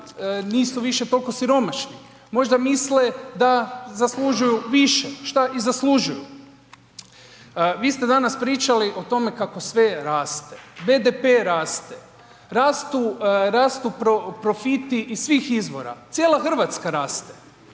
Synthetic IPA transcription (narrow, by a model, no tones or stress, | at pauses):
niːsuʋiʃet̪o̞lˠko̞siɾo̞maʃni | mo̞ʒd̪amisled̪azaslˠuʒujuʋiʃeʃt̪aʔizasluʒuju | ʋiːst̪e̞d̪anaspɾiːt͡ʃaliʔo̞t̪o̞me̞kako̞sʋe̞ɾaːst̪ebe̞d̪epe̞ɾaːst̪e | ɾaːst̪uɾaːst̪upɾopɾo̞fit̪iʔːsʋiːxizʋo̞̰ɾa̰t̪sjeːlˠaxr̩ʋat̪skaɾaːst̪e̥